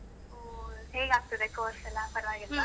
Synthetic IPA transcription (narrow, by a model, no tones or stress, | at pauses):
oɦeːɡaːɡ̚t̪id̪ekoːɾsɛlːɐpɐɾɐʋaːɡila